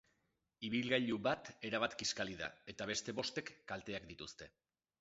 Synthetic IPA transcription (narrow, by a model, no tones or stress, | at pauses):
iβ̞ilɣaʎuβat̪e̞ɾaβat̪kiskaliða̰e̞t̪aβ̞e̞st̪e̞βo̞st̪e̞kːalt̪e̞akd̪it̪ust̪e̞